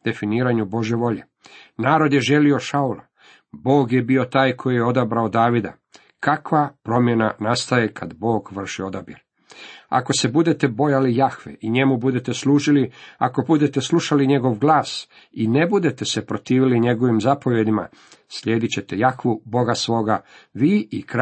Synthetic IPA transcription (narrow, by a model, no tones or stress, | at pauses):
d̪̥e̞finiːɾaɲubo̞ʒje̞ʋo̞ʎe | naːɾo̞d̪je̞ʒe̞lio̞ʃaulˠa | bo̞ːɡje̞bio̞t̪aːjkʰo̞jijeo̞d̪abɾaod̪aːʋid̪a̰ | kakʋapɾo̞mje̞nanast̪aje̞kʰad̪bo̞ːɡʋr̩ʃio̞d̪abjeɾ | a̰ko̞se̞bud̪e̞t̪e̞bo̞jalijaxʋḛʔiɲe̞mubud̪e̞t̪e̞sluːʒiliako̞bud̪e̞t̪e̞sluʃaliɲe̞ɡo̞ʋɡlˠaːs | ine̞bud̪e̞t̪e̞sepɾo̞t̪iːʋiliɲe̞ɡo̞ʋimzapo̞ʋje̞d̪ima̰ | sʎʲe̞ːd̪it͡ɕe̞t̪e̞jaxʋubo̞ɡasʋo̞ːɡaʋiːʔikɾ